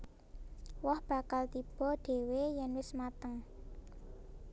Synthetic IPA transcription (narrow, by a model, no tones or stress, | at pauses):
wɔhb̥ä̤kalt̪ib̥ɔ̤ɖ̥e̤wejɛnwɪsmat̪əŋ